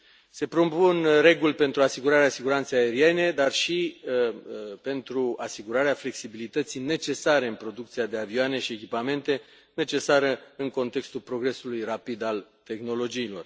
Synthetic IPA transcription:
se̞pɾo̞punre̞ɡulʲpe̞nt̪ɾuasiɡuɾaɾeasiɡuɾant̪sejae̞ɾie̞ne̞d̪arʃi | pe̞nt̪ɾuasiɡuɾaɾeafle̞ksibilit̪ət̪sijne̞t͡ʃe̞saɾe̞ɨnpɾo̞d̪ukt̪siad̪e̞avioane̞ʃie̞kʲipame̞nt̪e̞ | ne̞t͡ʃe̞saɾəɨŋko̞nt̪e̞kst̪ulpɾo̞ɡɾe̞sulujrapid̪alt̪e̞xno̞lo̞d͡ʒiːlo̞r

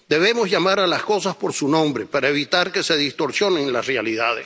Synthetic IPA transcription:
d̪e̞βe̞mo̞zʝamaɾalasko̞saspo̞ɾsunõ̞mbɾepaɾaeβit̪aɾke̞se̞ðist̪o̞ɾsjo̞neŋlasrealiðað̞es

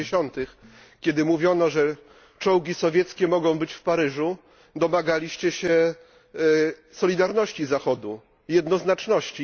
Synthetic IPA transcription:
ɕɔnt̪ɘx | kʲɛd̪ɘmuvʲjɔnɔʐɛ | t͡ʂɔ̃wɡʲisɔvʲjɛt̪skʲɛmɔɡɔ̃w̃bɘt͡ɕfpaɾɘʐu | d̪ɔmaɡalʲiɕt͡ɕɛɕɛ | sɔlʲid̪aɾnɔɕt͡ɕizaxɔd̪u | jɛd̪nɔznat͡ʂnɔɕt͡ɕi

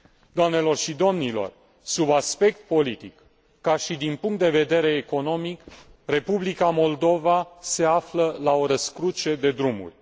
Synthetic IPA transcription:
d̪oamne̞lo̞rʃid̪o̞mnilo̞̰r | subaspe̞k̚t̪̚po̞lit̪ikː | aʃid̪inpuŋkt̪d̪e̞ve̞d̪e̞ɾe̞ːko̞no̞mikre̞publikamo̞ld̪o̞vase̞afləlao̞ɾəskɾut͡ʃe̞d̪e̞d̪ɾumṵrʲ

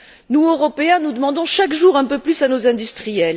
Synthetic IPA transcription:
nuøʁɔpeɛ̃nud̪əmɑ̃d̪ɔ̃ʃakʒuʁɛ̃pøplysanozɛ̃d̪yst̪χijɛl

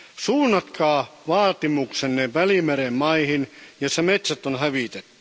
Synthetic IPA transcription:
suːnːɑt̪kʰɑːʋɑːt̪imuksenːeʋʋælimeɾemmɑihinjosɑmet̪sæt̪ːonhæʋit̪et̪ːyy̥

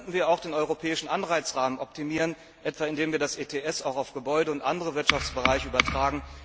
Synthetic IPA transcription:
ntn̩viːɐaʊxd̥eːnʔɔʏʁopʰɛːɪʃn̩ʔanʁaɪt͡sʁaːmənʔɔp̚tʰimiːʁən | ʔɛtv̥aɪndeːmviːɐdasʔeːtʰeːɛsaʊxaʊfɡ̥əbɔʏdəʊntʔa̰ndəʁəvɪɐtʃaft͡sb̥əʁaɪçəʔyːbɐtʁ̥aːɡŋ̩

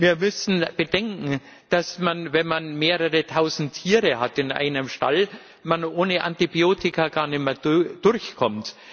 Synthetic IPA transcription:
viːɐmʏsn̩b̥ədɛŋkŋ̩ | d̥asmanvɛnmanmeːʁəʁətʰaʊzn̩tʰːiːʁəhatɪnʔa̰ɪnəmʃta̰l | manʔoːnəʔa̰ntibjoːtɪkaɡaːɐnɪməd̥ʊɾçkʰɔmt

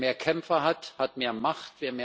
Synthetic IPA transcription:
meːɐkʰɛmfɐɦathatmeːɐmaχtv̥eːɐmeː

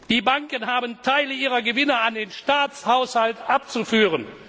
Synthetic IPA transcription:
d̥iːbaŋkənɦaːbəntʰaɪləiːʁɐɡəvɪnɐandeːnʃtaːt͡shaʊshaltʔap̚t͡sufyːʁən

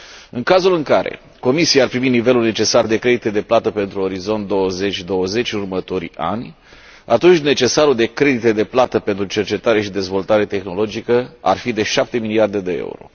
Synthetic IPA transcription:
ɨŋkazulɨŋkaɾḛ | ko̞misiaarpɾiminive̞lulne̞t͡ʃe̞sard̪e̞kɾe̞d̪it̪ed̪e̞plat̪əpe̞nt̪ɾuo̞ɾizo̞nt̪̚d̪o̞wəze̞t͡ʃʲd̪o̞wəze̞t͡ʃʲnurmət̪o̞ɾʲa̰nʲ | at̪unt͡ʃʲne̞t͡ʃe̞saɾud̪e̞kɾe̞d̪it̪e̞d̪e̞plat̪əpe̞nt̪ɾut͡ʃe̞rt͡ʃe̞t̪aɾe̞ʃid̪e̞zvo̞lt̪aɾe̞t̪e̞xno̞lo̞d͡ʒikəa̰rfid̪e̞ʃap̚t̪e̞miliard̪e̞d̪e̞ḛṵɾo̞̰

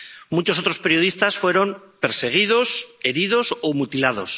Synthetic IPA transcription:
mut͡ʃosot̪ɾo̞spe̞ɾjo̞ðist̪asfwe̞ɾo̞m | pe̞ɾse̞ɣ̞iðo̞se̞ɾiðo̞somut̪ilaðo̞̰s

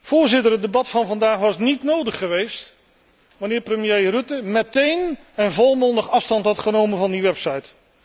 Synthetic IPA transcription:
v̥ʊːɹzɪtəɹɦət̚dəbɑtfɑnvɑndaːχʋɑsnitnowdəχːəʋejst | ʋɑnɪːɹprəmjejrɵtəmɛtejn | ɛnvɔlˠmɔndəχɑfstɑntɦɑtχənowmənvɑndiʋɛpsɑjt

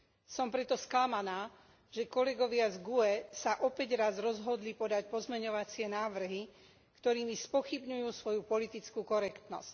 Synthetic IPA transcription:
sɔmpɾɛt̪ɔsklamanaː | ʒ̥ɛkɔlɛɡɔʋɪazɡuɛsaʔɔpɛɟɾazɾɔzɦɔd̪lipɔd̪acpɔzmɛɲɔʋat͡sɪɛnaːʋr̩ɦi | kt̪ɔɾiːmispɔxibɲujuːsʋɔjupɔlit̪it͡skukɔɾɛkt̪nɔ̰sc

